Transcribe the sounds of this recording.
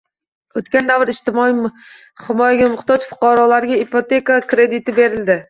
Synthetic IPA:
ot̪kʲand̪avɾɪʃt̪ɪmɒi | hɪmɒjaɡʲamʊχt̪ɒd͡ʒfʊ̥qɑɾɒlaɾɡʲaipot̪e̞kakɾe̞d̪ɪt̪ɪbe̞ɾɪld̪ɪ

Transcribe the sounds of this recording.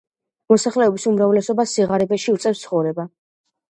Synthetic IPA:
mɔsaχlɛɔbisumɾavlɛsɔbasiʁaɾɛbɛʃiut̪sʼɛfst̪sʰχɔvɾɛba

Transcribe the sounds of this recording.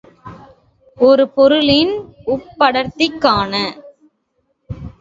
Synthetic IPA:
ɔɾɯpɔɾɯlɪnʊpːɐɽɐɾt̪ɪkːaːnɐ

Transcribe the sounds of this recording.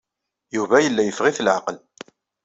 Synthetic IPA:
juvæjəlːæjəfʁiθlʕaqəl

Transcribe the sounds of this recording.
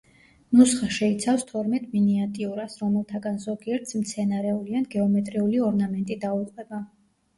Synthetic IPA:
nusχaʃɛit̪sʰafst̪ʰɔɾmɛt̪ʼminiat̪ʼiuɾasɾɔmɛlˠt̪ʰaɡanzɔɡiɛɾt̪ʰsmt̪sʰɛnaɾɛulianɡɛɔmɛt̪ʼɾiuliɔɾnamɛnt̪ʼid̪auqʼwɛba

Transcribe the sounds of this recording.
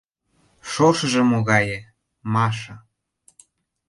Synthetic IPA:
ʃoʃɤ̆ʒə̆moɣɑjə̆ | mɑʃɤ̆

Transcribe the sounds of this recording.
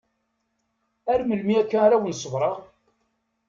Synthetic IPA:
æɾməlmiækːæɾæwənsəvɾˤəʁ

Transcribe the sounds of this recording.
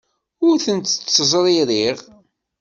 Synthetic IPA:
ʊɾθənt̪ːt͡sːəzˤɾˤiɾiʁ

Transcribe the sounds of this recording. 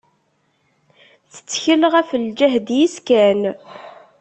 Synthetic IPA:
θə̥t͡sːçəlʁæfəld͡ʒæɦd̪jiskæn

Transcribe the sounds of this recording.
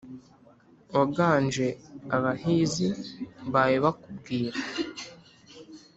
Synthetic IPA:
aɡaːnd͡ʒe̞aβahiːziβajiβakubɡiːɾa

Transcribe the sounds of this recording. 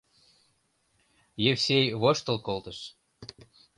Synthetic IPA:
jefsejβoʃt̪əlkolt̪əʃ

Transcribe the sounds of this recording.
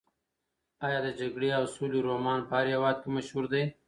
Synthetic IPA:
ɑjɑːd̪əd͡ʒaɡɽeawsoliɾomɑːnpaaɾjawɑːd̪̚kimaʃhuɾd̪aj

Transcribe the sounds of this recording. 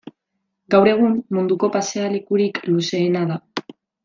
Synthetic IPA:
ɡawɾe̞ɣ̞ummund̪uko̞paseale̞kuɾikluse̞ːnaða

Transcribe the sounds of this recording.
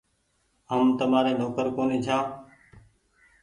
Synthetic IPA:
ɦəmt̪əmaːɾeːnoːkəɾkoːniːt͡ʃʰãː

